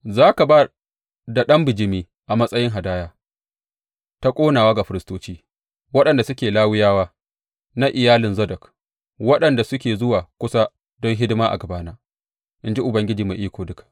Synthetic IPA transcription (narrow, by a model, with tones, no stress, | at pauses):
zaː˦ka˨baː˦ | da˨ɗɐ˦mbɪ˨d͡ʒɪ˦miː˦ | ʔa˨mɐ˦sʼɐ˦jɪ˦ŋɦa˨daː˦jaː˦ | ta˦kʷʼoː˦naː˨waː˦ɡa˨ɸɪ˨ɾɪ˨stoː˦t͡ʃiː˦ | wɐ˦ɗɐ˨nda˨sʊ˦kʲeː˨laː˦wɪ˦jaː˦waː˦ | na˦ʔɪ˨jaː˦lɪ˨nzɐ˦dɐ˨k | wɐ˦ɗɐ˨nda˨sʊ˦kʲeː˨zʊ˦waː˨kʷʊ˦sa˦ | dɔ˦ŋɦɪ˦dɪ˦maː˦ʔa̰˨ɡɐ˨baː˦naː˦ | ʔɪ˦nd͡ʒi˦ʔʊ˨bɐ˦ŋɡʲɪ˦d͡ʒiː˨ma˨ʔiː˦kʷoː˨dʊ˦kḁ˨ʔ